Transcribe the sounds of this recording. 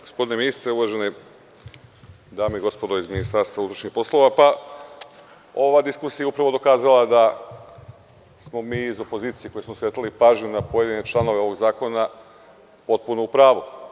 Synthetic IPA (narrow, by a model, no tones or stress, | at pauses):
ɡ̥ospd̪ine̞minist̪ɾeuʋaʒene | d̪aːmeiɡo̞spo̞d̪o̞izminist̪aɾst̪ʋaut̪ɾoʃɲixpo̞slˠo̞ʋapa | o̞ʋad̪iskusijaeupɾaʋo̞d̪o̞kaːzalˠad̪a | smo̞miːzo̞po̞ziːt̪sije̞ko̞jesmoset̪alipaːʒɲunapo̞jed̪inet͡ʃlˠano̞ʋe̞o̞ʋo̞ɡzaːko̞na | po̞t̪̚punoupɾaːʋu